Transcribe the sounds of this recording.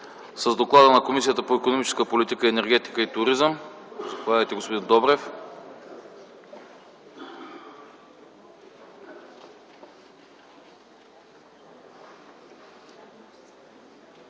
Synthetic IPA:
səzd̪oklˠad̪ənɐkomisijət̪əpoɛkonomit͡ʃɛ̥skəpolit̪ikəiɛnɛɾɡ̟ɛt̪i̥kəit̪ʊɾizəmzpovad̪əjt̪ɛɡospod̪ind̪ɔbɾɛf

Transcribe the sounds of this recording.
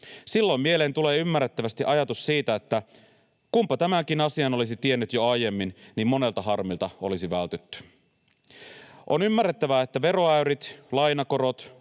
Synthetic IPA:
silːo̞mːielent̪ule̞ːymːærːet̪ːæʋæst̪iʔɑjɑt̪ussiːt̪æet̪ːæ | kumpɑt̪æmæŋk̟inɑsiɑno̞lisit̪ie̞nːyt̪joɑjje̞mːinnimmo̞ne̞lt̪ɑɦɑrmilt̪ɑo̞̰lisiʋælt̪yt̪ːy̥ | ʔonymːærːet̪ːæʋæet̪ːæʋe̞ɾo̞æyɾit̪lɑjnɑko̞ɾo̞t̪

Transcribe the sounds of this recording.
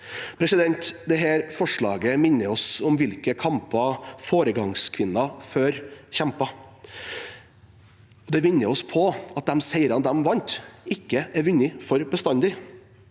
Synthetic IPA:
pʰɾɛsɪd̪ɛnt̪d̪ɛɦæːɾfɔʂɭɑ̰ːɡəmɪnːəɔsʊmʋɪlkəkʰɑmpɑfoːɾəɡɑŋskʰʋɪnːɑføːɾçɛmpɑ | ɔd̪ɛʋɪnːəɔspʰɔɑt̪̚d̪ɛmsæɪɾɑnd̪ɛmʋɑnt̪ɪkːəæɾʋʉnːɪfɔɾbəst̪ɑnd̪ɪ

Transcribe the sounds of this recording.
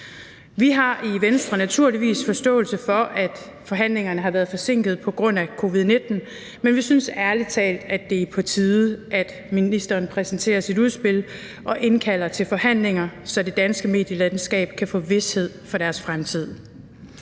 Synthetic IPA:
ʋiɦɑ̈ʔiʋensd̥ʁɐnæt͡sʰuɐliʋḭːsfɒ̽sd̥ɔ̰̽ːlsəfɒ̽ʔæd̥ | fɒ̽ɦæn̰le̝ŋɐnəɦɑ̈ʋæːɐðˠfɒ̽se̝ŋ̰ɡ̥ð̩ˠpʰɒ̽ɡ̥ʁɔ̽n̰ækʰo̝ʋið̞ˠne̝d̥n̩ | menʋisynsæɐli̥t͡sʰɛ̰ːld̥æd̥ːe̝pʰɒ̽t͡sʰiːðˠʔæd̥ | minisd̥ɐːnpʰʁɛsn̩t͡sʰe̝̰ːɐsiduð̞ˠsb̥e̝l̰ | ʔɒ̽ʔe̝nkʰæl̰ɐt͡sʰe̝lfɒ̽hæn̰le̝ŋɐsɒ̽d̥e̝d̥ænsɡ̥əme̝̰ːd̥jəlæn̩sɡ̥ɛ̰ːb̥kʰæfɔ̰ːʋe̝she̝ð̞̰ˠfɒ̽ɾ̥æɐsfʁamt͡sʰið̞̰ˠ

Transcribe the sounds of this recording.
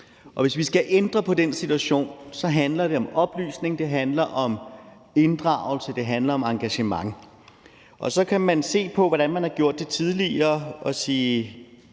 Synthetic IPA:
ʔɒ̽ʋe̝sʋisɡ̥æʔend̥ʁɐpʰɒ̽d̥ensit͡sʰuæɕo̝̰ːnsɒ̽ɦænlɐɾ̥e̝ɒ̽mɒ̽b̥ly̰ːsne̝ŋd̥e̝ɦænlɐʔɒ̽m | e̝nd̥ʁɑ̈ːʊ̰l̩səd̥e̝ɦænlɐɒ̽mɑ̈ŋɡ̥æɕəmɑ̈ŋ | ʔɒ̽sɒ̽kʰæmænse̝̰ːpʰɒ̽ʋɒdɾænmænhɑ̈ɡ̥jo̝ɐ̰d̥ːe̝t͡sʰið̞ˠliɐːɒ̽siː

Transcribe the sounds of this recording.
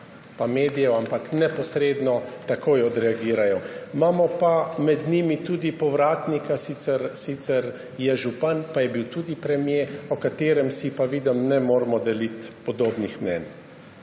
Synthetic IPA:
pameːd̪ijɛwampaknɛpɔsɾed̪nɔt̪akʰoːjɔd̪ɾɛaɡiːɾajɔmaːmɔpamɛd̪nimit̪uːd̪ipɔʋɾaːt̪nikasit̪sɛɾsit̪sɛɾ | jɛʒupanpajɛbiwt̪uːd̪ipɾɛmjeɔkat̪eːɾɛmsipaʋiːd̪ɛmnɛmoːɾmɔd̪ɛlit̪pɔd̪oːbnixmnɛ̰n

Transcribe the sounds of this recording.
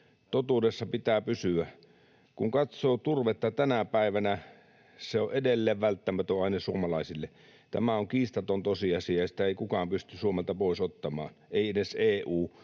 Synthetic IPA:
t̪ot̪uːdesːɑpit̪æːpysyæ | kuŋkɑt̪soːt̪urʋet̪ːɑt̪ænæpæˑiʋænæ | seoʔedelːeːʋʋælt̪ːæmæt̪øɑˑinɑsuomɑlɑˑisilːe | t̪æ̰mæoŋkiːst̪ɑt̪ont̪osiɑsiɑjɑsi̥t̪æeˑikukɑːmpyst̪ysuomelt̪ɑpoˑisot̪ːɑmɑ̰ːneˑieneseːʔuː

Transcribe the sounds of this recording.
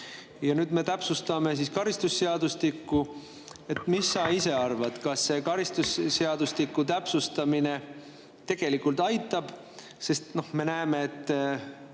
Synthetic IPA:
jɑnyːd̪̥me̞t̪æpsust̪ɑme̞s̬iskɑɾist̪usːeɑd̪ust̪ikːu | e̞t̪ːmisːɑise̞ɑrvɑt̪kɑsːe̞kɑɾist̪usːeɑd̪ust̪ikːut̪̬æpsust̪ɑmine̞ | t̪e̞ɡ̥e̞likːˑult̪ɑjt̪ːˑɑb̥ | se̞st̪no̞hme̞næeme̞ːt̪ˑː

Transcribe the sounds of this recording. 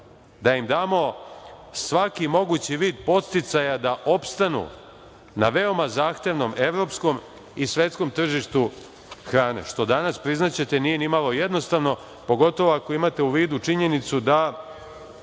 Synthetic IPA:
d̪aimd̪aːmo̞ | sʋakimo̞ɡut͡ɕiʋiːd̪̚po̞t̪st̪it̪sajad̪aʔo̞pst̪anṵ | na̰ʋe̞o̞mazaːxt̪e̞ʋno̞me̞ʋɾo̞psko̞m | isʋe̞t̪sko̞mt̪r̩ʒiʃt̪u | xɾaːne̞̰ʃt̪o̞d̪anaspɾiznat͡ɕe̞t̪e̞nije̞nimalo̞je̞d̪no̞st̪aʋno̞ | po̞ɡo̞t̪o̞ʋo̞ako̞imat̪e̞uʋiːd̪ut͡ʂiɲe̞nit̪sud̪a

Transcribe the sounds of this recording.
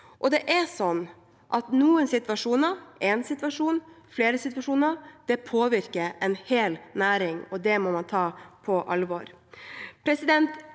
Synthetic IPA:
ʔɔd̪ɛʔɛsɔnː | ʔɑt̪nuːənsɪt̪ʋɑʂuːnəɛnsɪt̪ʋɑʂuːnfleːɾəsɪt̪ʋɑʂuːnəd̪̥ɛpʰoːʋɪɾkəɾɛnheːlnæːɾɪŋɔd̪ɛmɔmɑnt̪ʰɑːpʰɔʔɑlʋɔɾpʰɾɛsɪd̪ɛnt̪

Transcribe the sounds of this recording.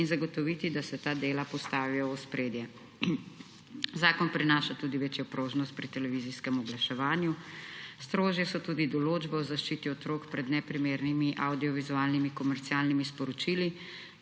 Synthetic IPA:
inzaɡɔt̪ɔʋiːt̪id̪asɛt̪aːd̪eːlapɔst̪aːʋijɔɔspɾeːd̪jɛ | zaːkɔnpɾinaːʃat̪uːd̪iʋeːt͡ʃjɔpɾoːʒnɔst̪̚pɾit̪ɛlɛʋiziskɛmɔɡlaʃɛʋaːnjust̪ɾoːʒjɛsɔt̪uːd̪id̪ɔloːd͡ʒbɛɔzaʃt͡ʃit̪iɔt̪ɾoːkpɾɛd̪nɛpɾimeːɾnimiʔawd̪iɔʋizuaːlnimikɔmɛɾt̪siaːlnimispɔɾɔt͡ʃili

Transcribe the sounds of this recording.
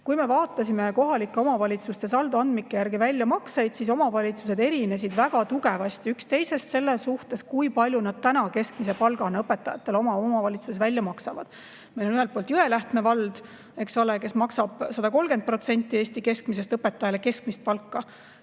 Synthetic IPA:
kujme̞vɑːt̪ːˑɑsʲime̞ko̞ɦɑlikːˑeo̞mɑvɑlʲit̪sust̪e̞sɑld̪uɑnd̪̥mikːejærɡivælʲːjɑmɑksejd̪̥siso̞mɑvɑlʲit̪su̥se̞d̪e̞ɾine̞sid̪̥væɡɑt̪uɡe̞vɑst̪iykst̪e̞jse̞st̪se̞lːesuht̪e̞skujpɑlʲjunɑd̪̥̚t̪ænɑke̞skmise̞pɑlɡ̥ɑnɤpːe̞t̪ːˑɑjɑt̪ːe̞lo̞mɑomɑvɑlʲit̪su̥sesvælʲːjɑmɑksɑvɑ̰d̥̪ | mejlo̞nyɦelt̪̚polt̪jye̞læht̪me̞vɑld̪̥ | e̞kso̞leke̞smɑksɑb̥sɑd̪̥ɑko̞lɡe̞nd̪̚pro̞t̪se̞nʲt̪ːˑie̞ːsʲt̪ike̞skmis̬est̪ɤpːe̞t̪ːˑɑjɑleke̞skmist̪̚pɑlkːɑ

